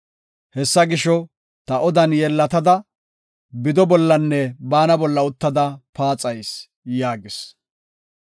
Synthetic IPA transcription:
hɛsːɐɡɪʃɔ | t̪ɐʔɔd̪ɐnjɛlːɐt̪ɐd̪ɐ | bɪd̪ɔbɔlːɐnːɛbaːnɐbɔlːɐʊt̪ːɐd̪ɐpaːt͡sʼɐjs | jaːɡɪs

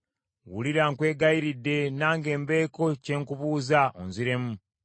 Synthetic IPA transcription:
wṵliɾaŋkwe̞ːɡaiɾidːe̞naːŋɡe̞ːmbe̞ːko̞ceːŋkuβuːzao̰nziɾe̞mu

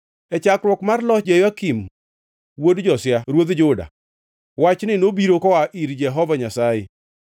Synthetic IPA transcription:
ɛt͡ʃakɾwɔkmarlɔd͡ʒejakim | wodd͡ʒɔsɪjaɾwod̪d͡ʒʊda̰ | wat͡ʃnɪnobiɾokɔwaʔiɾd͡ʒɛɦɔvaɲasaje

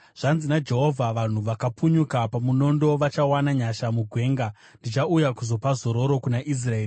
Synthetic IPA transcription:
ʐ̥anzinad͡ʒe̞ɦo̞vʱaʋan̤uʋakapuɲukapamuno̞ndo̞ʋat͡ʃawanaɲaʃamuɡʱwe̞ːŋɡa | ndit͡ʃaujakuzo̞pazo̞ɾo̞ɾo̞kunaʔis̬raeːri

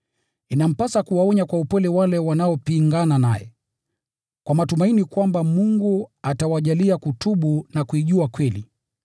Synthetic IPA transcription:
inam̩pasakuwaɔɲakwaupɛlɛwalɛwanaɔpiŋɡananajɛ̰ | kwamatumainikwambamuŋɡuatawaʄaliakutuɓunakuiʄuakwɛlḭ

